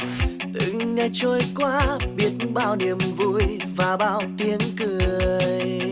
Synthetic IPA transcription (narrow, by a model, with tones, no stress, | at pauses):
t̪ɨ̰˧˨ŋɲə˧t͡ɕo˧jkwaː˧˥ɓi˦˥ət̚nɓaː˧wni˨˩əmvṵ˧˩j | vaː˨˩ɓaː˧wt̪i˧˦ənkɨ˨˧˩əəəj